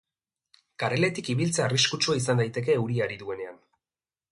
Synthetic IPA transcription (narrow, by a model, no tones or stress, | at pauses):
kaɾe̞le̞t̪ikiβilt͡seariskut͡ʃuais̬and̪ajt̪e̞k̬e̞ːwɾiaɾiðue̞ne̞an